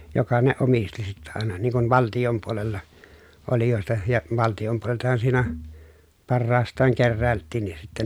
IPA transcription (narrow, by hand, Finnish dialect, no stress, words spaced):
jokɑ ne omisti sitːæ ɑˑenɑ niŋ kuʋ ʋɑltijom puolelːɑ olijoˑestɑ jɑ ʋɑltijom puoleltɑhɑn siːnæ pɑrːɑːstˑɑːŋ kerːæˑeltːiːnˑis sitːæ